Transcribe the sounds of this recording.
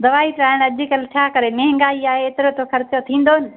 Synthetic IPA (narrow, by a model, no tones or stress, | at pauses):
d̪ɐʋaːit̪ɾaːɪɽ̃ɐd͡ʑɪkɐlt͡ɕʰaːkɐɾemeɦɪ̃ŋɡaːiaːɦeːt̪ɪɾot̪ʰokʰɐɾɪt͡ɕjot̪ʰĩːnd̪oːnɪ̆